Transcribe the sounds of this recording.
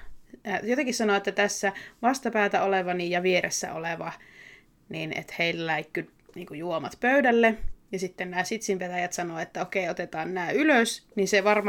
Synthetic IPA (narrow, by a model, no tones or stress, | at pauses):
jot̪eŋkissɑnoˑet̪ːæt̪æsːæʋɑst̪ɑpæːt̪æoleʋɑnijjɑʋieɾesːæ̰o̰leʋɑ | niːnḛt̪heillæikːy | niːŋkujuomɑt̪pøydælːejɑsit̪ːennæːsit̪simpet̪æjæt̪sɑnoet̪ːæokeiot̪et̪ɑːnnæːyløsninseʋɑrm